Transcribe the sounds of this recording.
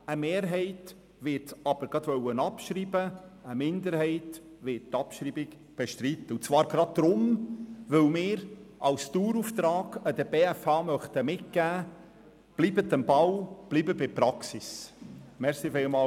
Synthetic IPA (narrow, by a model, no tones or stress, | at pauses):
əmeːɾɦɛɪt | ʋɪtɑb̥əɾɡ̥ɑd̪ʋœwənɑpʃɾiːbəəmɪnd̪əɾhɛɪt | ʋɪttːɑpʃɾiːbik | b̥eʃtɾitːəut͡svɑːɾɡɾɑd̪̚d̥̪ɾʊmʋɵlmɪːɾʔɑwst̪uːɾuft̪ɾɑːɡ̥əd̥̪əɾbeːɛfɑːmœχt̪əmɪt̚kæː | b̥liːbət̪ənbɑwb̥liːbəbɪpɾɑksismɛɾsifɪlmɑː